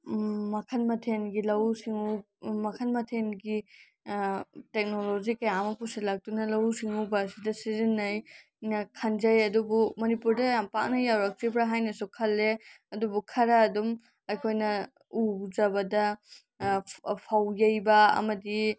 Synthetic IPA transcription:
mɐkʰɐnmɐtʰenɡilɐwsiŋu | mɐkʰɐnmɐtʰenɡi | tek̚nolod͡ʒikɐjamɐpuselak̚tunɐlɐwsiŋubɐːsidɐsizinːɐj | nɐkʰɐnd͡ʒɐjɐdubumɐnipuɾdɐjampak̚nɐjawɾɐk̚t͡ʃipʰɾɐɦajnɐsukʰɐlːe | ɐdubukʰɐɾɐːdum | ɐjkʰojnɐ | ud͡ʒɐbɐdɐ | pʰawjɐjbɐɐ̰mɐdi

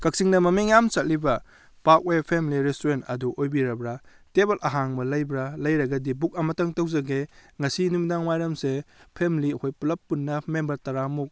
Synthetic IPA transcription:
kɐk̚siŋnɐmɐmeŋjamsɐt̚libɐ | pak̚wejpʰemiliɾestuɾenɐduʔojbiɾɐbɾɐ | tebelʔɐɦaŋmɐlɐjbɾɐlɐjɾɐɡɐdibuk̚ɐmɐtɐŋtɐwzɐɡeŋɐsinumdaŋmajɾɐmsepʰemiliɐkʰojpulɐpːunːɐmembɐɾtɐɾamuk̚

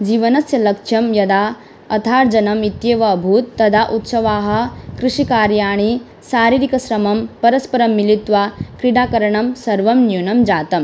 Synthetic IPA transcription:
d͡ʒiːʋɐnɐsjɐlɐkʂjɐmjɐd̪aː | ɐt̪ʰaːɾd͡ʒɐnɐmit̪jeːʋɐbʱuːt̪ːɐd̪ʱaʔut̪sɐʋaːɦɐ̆kɾɨʂikaːɾjaːɳi | saːɾiːɾikɐsɾɐmɐmpɐɾɐspɐɾɐmːilit̪ʋaːkɾiɽaːkɐɾɐɳɐmsɐɾʋɐmnjuːnɐmd͡ʒaːt̪ɐm

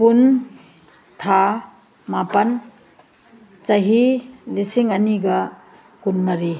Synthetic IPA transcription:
kun | tʰa | mapɐn | t͡ʃɐɦilisiŋɐniɡɐ | kunmɐɾi

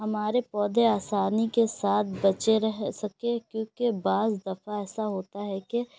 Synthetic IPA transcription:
ɦɐmaːɾepɔːd̪ʱeaːsaːnikesaːt̪̚ʰbɐt͡ʃeɾɛɦsɐkekjõːkebaːzd̪ɐfaɛːsaɦoːt̪aɦɛke

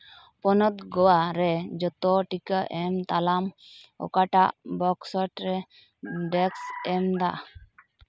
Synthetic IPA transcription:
pɔnɔt̪ɡɔwaɾɛd͡ʒɔt̪ɔʈikəʔɛmt̪alamɔ̰kaʈaʔbɔksɔʈɾɛ | ɖɛksɛmd̪aʔ

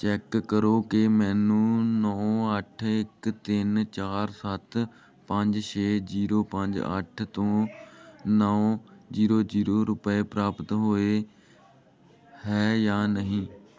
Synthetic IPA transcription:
t͡ʃɛːkːəɾoːkɪmɛ̃ːnũːnɔ̃ːəʈʰɪkt̪ɪnt͡ʃaːɾsət̪ʰ | pəɲd͡ʒʃeːd͡ʒiːɾoːpəɲd͡ʒə̰ʈʰt̪õː | nɔːõːd͡ʒiːɾoːd͡ʒiːɾoːɾʊpeːpɾaːpət̪ɦoːeː | ɦɛːjaːnəɦĩː

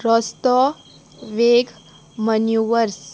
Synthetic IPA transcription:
ɾɔst̪ɔ | ʋeːɡ | mənjuʋəɾs

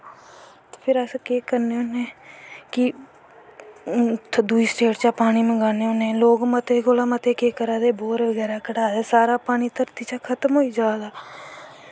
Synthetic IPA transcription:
t̪ːpʰɪɾəskeːkəɾneʊneːkɪ | d̪uiːsʈeːʈt͡ʃaːpaːɽ̃iːmə̃ɡaːneːʊnẽːloːɡmət̪eːkoːlaːmət̪eːkeːkəɾaːd̪eːboːɾʋəɡɛːɾaːkəɽaːd̪aːsaːɾaːpaːɽ̃iːt̪əɾt̪iːt͡ʃaːkʰət̪əmɦoːiːd͡ʒaːlaː

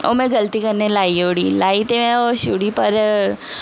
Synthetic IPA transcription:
o̰ːmɛ̃ɡɐlt̪ikɐɾnelaːioːɽilaːit̪emɛ̃ɔʃuɽipɐɾ

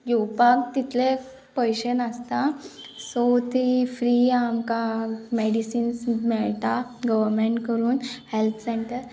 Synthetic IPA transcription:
jowpakt̪it̪ʰle | pəjɕənəst̪a | sot̪ʰifɾiamkameɽisiːnsmɛɭt̪aɡəʋəɾmeɳʈkəɾuːnhelt̪ʰsẽɳʈəɾ

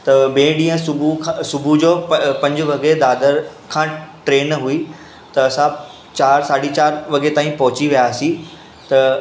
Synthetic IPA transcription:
t̪ɐbẽːɗĩːə̃sʊbʱusʊbʱud͡ʑoːpɐ̃ɲd͡ʑʊʋɐɡed̪aːd̪əɾ | kʰãːʈɾeːnɐɦui | t̪ɐɐsã | t͡ɕaːɾsaːɽit͡ɕaːɾʋɐɡet̪aːĩpɐɦʊt͡ɕiʋijaːsĩ | t̪ɐ

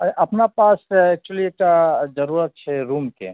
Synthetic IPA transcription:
ɐʔɐpnapaːsɛk̚t͡ʃulieʈazɐɾuːɾət̪̚t͡ʃʰeɾuːmkḛ

